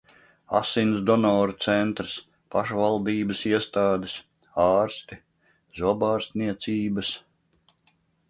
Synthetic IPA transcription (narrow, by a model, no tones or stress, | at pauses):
a̰sinsd̪ɔnɔːɾut̪sɛnt̪ɾɨs | paʃvalˠd̪iːbəsiɛst̪aːd̪es | ɑːɾst̪i | zubaːɾst̪niɛt̪siːbɐs